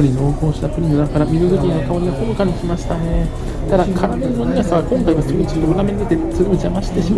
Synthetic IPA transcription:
oɾʲino̞ːko̞ːɕi̥t̪apɯ̟ɾʲinɯnaŋkaɾamʲizɨzokʲiɲiakaoɲ̟ʲiakomɯ̟kaɲikʲimaɕi̥t̪ane̞ | t̪ad̪akʰaɾamẽnːoɲ̟iasaɡakõ̞ŋkaiβasɨɡot͡ɕid̪oɾameɲid̪et̪e̞sɨɡoit͡ɕiamaɕi̥t̪e̞ɕim

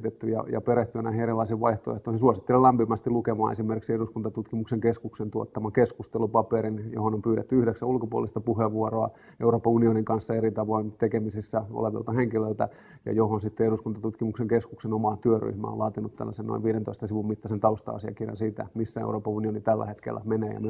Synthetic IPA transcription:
t̪et̪ːyjɑ̰jɑ̰peɾeht̪yænæhinerilːɑisiʋʋɑiht̪oḛht̪oihinsuɑsit̪ːelelæmpimæst̪ilukemɑ̰ːnesimerkiksieduskunt̪ɑt̪ut̪kimukseŋkeskuksent̪uot̪ːɑmɑkeskust̪elupɑpeɾinjo̰honompyːɾet̪ːyyhɾeksæulkopuo̰list̪ɑpuheʋʋuoroɑ | euɾoːpɑunioniŋkɑnsːɑeɾit̪ɑʋoint̪ekemisisːæo̰leʋḭlt̪ɑheŋkilølt̪æ | jɑ̰johonsit̪ːeeduskunt̪ɑt̪ut̪kimukseŋkeskuksenomɑt̪yøry̰hmæ̰o̰lɑːt̪inut̪t̪æ̰lːæseno̰ḭʋiːɾent̪oist̪ɑsiʋummit̪ːɑsent̪ɑust̪ɑ̰ɑ̰siɑ̰kirjɑ̰nsiːt̪æ̰misːæḛuɾoːpɑunionit̪ælːæ̰het̪kḛlːæ̰meneːjɑ̰m

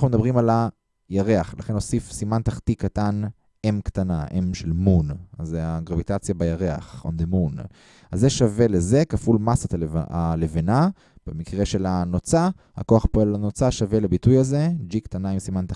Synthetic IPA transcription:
aχnumd̪abʁimala | jaʁe̞aχlaχe̞no̞sifsimant̪aχt̪ikatan | emkt̪anaʔemʃelmunazeaɡʁavit̪at͡sjabajaʁea̰χo̰nd̪emun | azːeʃavelezekafulmasat̪aalevena | b̥emikʁe̞ʃe̞lanot͡sa | ha̰koaχpoelanot͡saʃavelebitujaze̞d͡ʒikt̪anaimsimant̪a

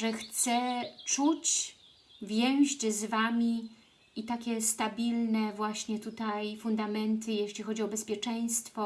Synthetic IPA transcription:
ʐɛxt̪sɛt͡ʂut͡ɕ | vʲjɛw̃ʑt͡ɕzvamʲi | it̪akʲɛst̪abʲilnɛvwaɕɲɛt̪ut̪ajfund̪amɛnt̪ɘjeɕlʲixɔd͡ʑiɔbɛspʲjɛt͡ʂɛj̃st̪fɔ

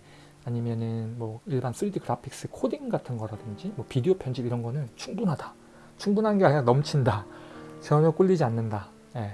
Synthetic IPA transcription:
aɲimjʌnɯnmwʌiɭbans͈ʰɯɾidɯɡɯɾapʰik̚s͈ɯkʰodiŋɡatʰɯnɡʌɾadɯnd͡ʑimwʌpidiopʰjʌnɕʰibiɾʌnɡʌnɯnt͡ɕʰuŋbunɦada | t͡ɕʰuŋbunɦanɡeaɲanʌmt͡ɕʰindat͡ɕʌmjʌk͈uʎːid͡ʑianːɯnda | je̞

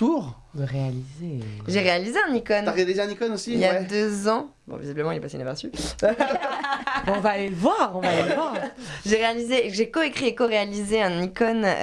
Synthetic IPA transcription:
t̪uʁ | d̪əʁealizeʒeʁealizeɛ̃nikɔnaad̪ezaɛ̃nikɔnosiijad̪øzɑ̃bɔ̰̃vḭzibləmɑ̃ilɛpasey̰napɛʁsy | bɛɔ̃valevwaʁɔ̃valelvwaʁʒeʁealizeʒekɔekχiekɔʁealizeɛ̃nikɔn

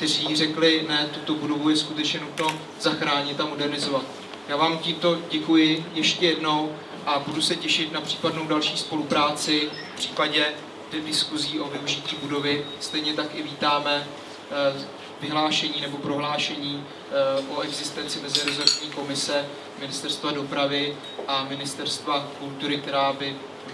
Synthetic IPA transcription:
kkt̪ɛr̝iːr̝ɛklɪnɛt̪ut̪o̞budo̞vujɛskut̪ɛt͡ʃɲɛnut̪no̞ | z̥axɾaːɲɪt̪amo̞dɛɾnɪzo̞vat̪ | jaːvaːmciːmt̪o̞ɟɛkujɪjɛʃcɛjɛdno̞w | ʔabudusɛcɛʃɪt̪napr̝̥iːpadno̞wdalʃiːspo̞lupɾaːt͡sɪfpr̝̥iːpaɟɛ | dɛvdɪskuziːʔo̞vɪuʒɪciːbudo̞vɪst̪ɛjɲɛt̪akɪviːt̪aːmɛ | vɪɦlaːʃɛɲiːnɛbo̞pɾo̞ɦlaːʃɛɲiː | ʔoɛɡzɪst̪ɛnt͡sɪmɛzɪɾozoɾɲiːko̞mɪsɛ | mɪnɪst̪ɛɾst̪vado̞pɾavɪ | ʔamɪnɪst̪ɛɾst̪vakult̪uɾɪk̚t̪ɛɾaːbɪ

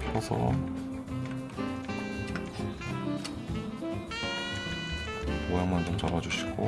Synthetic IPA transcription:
sʰʌsʰʌ̰ | kojaŋmant͡ɕomt͡ɕabad͡ʑuɕʰi̥ɡo̰

